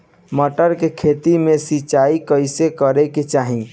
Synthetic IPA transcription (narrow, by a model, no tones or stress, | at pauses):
məʈəɾkekʰet̪imesit͡ʃaikəɪsekəɾɛket͡ʃaɦi